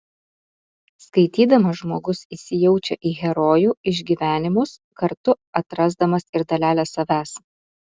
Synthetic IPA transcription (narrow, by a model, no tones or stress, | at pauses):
skɐɪt̪ʲiːd̪ɐmɐʒmoːɡʊsiːsʲɪjɛʊt͡ʃʲɛʔiːɣʲɛɾoːjuːɪʒʲɡʲiːʋʲæːnʲɪmʊskɐɾt̪ʊ | ɐt̪ɾɐzd̪ɐmɐsɪɾd̪ɐlʲæːlʲæsɐʋʲæːs